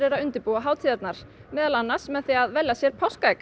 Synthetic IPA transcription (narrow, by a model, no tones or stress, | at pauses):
ɾɛɾaʏnt̪ɪpuaɦaːwt̪ʰiːðɛt̪naɾ̥mɛːðalanːḁsmɛðθiaðvɛljasjɛɾ̥pʰawskajk